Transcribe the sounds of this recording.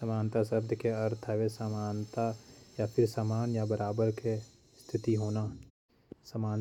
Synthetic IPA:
səmaːnt̪asəb̚d̪ʱkeɐɾt̪ʰɛʋesəmaːnt̪ajapʰɪɾsamaːnjabəɾaːbəɾke | st̪ʰɪt̪iɦoːna | səmaːn

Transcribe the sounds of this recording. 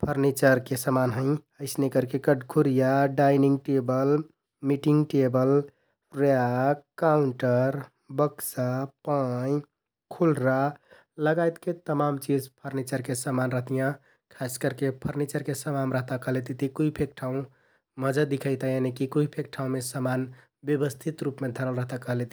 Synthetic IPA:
pʰəɾnit͡ʃəɾkesəmanɦə̃ɪ̃əɪsnekəɾkekəɖkʰuɾijaɖajniŋɡʈebəl | miʈiŋɡʈebəl | ɾakauɳʈəɾ | bəksapaj | kʰulɾa | ləɡajt̪ket̪əmamt͡ʃid͡ʒpʰəɾnit͡ʃəɾkesəmanɾəɦt̪ijã | kʰaskəɾkepʰəɾnit͡ʃəɾkesəmanɾəɦt̪akəɦlet̪it̪ikuipʰek̚ʈʰaũ | məd͡ʒəd̪ikʰəjt̪ajanekikuipʰek̚ʈʰaũmesəman | bjəbəst̪ʰit̪ɾupmed̪ʱəɾəlɾəɦt̪akəɦlet̪i̥

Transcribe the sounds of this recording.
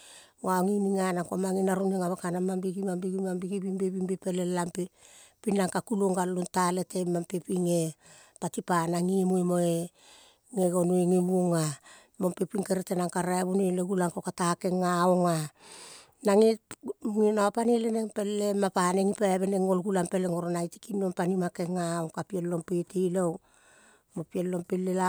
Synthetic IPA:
waoŋiniŋanakomaŋinaɾuneŋaβakanamambiɡimambiɡimambiɡibimbeβimbepelelampepinaŋkakuloŋɡalluntaletemampepiŋe | patipanaŋimuemoe | ŋeɡonueŋeβuoŋa | mompepiŋkeɾetenaŋkaɾaeβuneleɡulaŋkokatake̞ŋːaoŋa | naŋeŋinawapanileneŋpe̞lːemapaneŋipaaβeneŋo̞lɡulampeleŋoɾonajti̥kinompanimakeŋaoŋkapiellompetilow | mopielːo̞mpelːela

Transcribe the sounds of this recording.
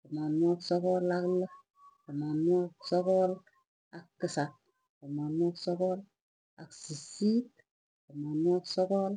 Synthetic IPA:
kɔmanaksɔkɔlaklə | kɔmanaksɔkɔl | akːɨsat̚ | kɔmanaksɔkɔl | aksisit̚ | kɔmanuaksɔkɔl

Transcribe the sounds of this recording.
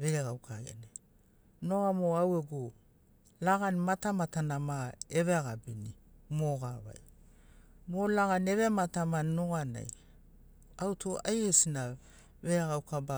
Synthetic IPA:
βe̞ɾeɡawkʰaɡḛne | no̞amoaweɡo | laɡanmatamatanamaeβeaɡabinimoɡaβa̰j | molaɡane̞βematamannoɡana̰j | awtoajesina | βe̞ɾeɡawkaba

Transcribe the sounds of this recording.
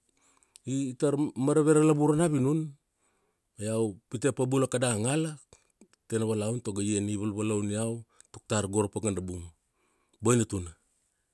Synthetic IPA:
itaɾmaɾaβe̞ɾalabuɾanaβinun | ajawpitepabulakadaŋala | tenaβalauntoɡajeniβalβalawniaw | tok̚taɾɡo̞ɾapaɡandabum | bojnatuna

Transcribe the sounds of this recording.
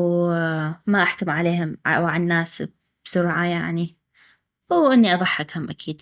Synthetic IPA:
maʔaħkʊmʕaleːɦʊm̰wʕanːaːs | b̥sʊɾʕajaʕni | wʔɪnːiʔɑðˤɑħːɪkhʊmʔakʰiːd̪

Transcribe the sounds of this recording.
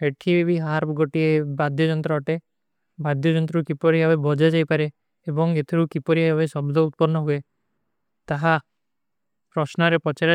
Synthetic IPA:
eʈʰibibiɦaɾpʰɡoʈiebad̪jɔd͡ʒɔnt̪ɾɔɔʈe | bad̪jɔd͡ʒɔnt̪̬ɾɔɾukipɔɾiɦabebɔd͡ʒad͡ʒajpaɾeː | bɔŋet̪ʰeɾukipɔɾiɦabesɔblɔut̪̚pɔɾnɔɦue | t̪aɦa | pɾɔsnɔɾepɔt͡ʃaɾa

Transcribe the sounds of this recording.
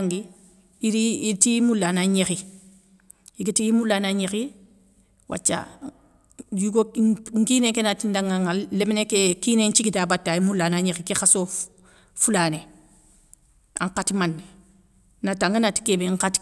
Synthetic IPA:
ŋɡi | iɾiitimulːanaɲexi | iɡitiimulanaɲexi | wʔa̰t͡ʃːa̰ | juɡoŋkiːnekenatindaŋaŋalemnekekinent͡ʃiɡitabatːaimulːanaɲexikexaso | fulane | a̰ŋkatimanːe | nataŋɡanati̥kebeŋkat

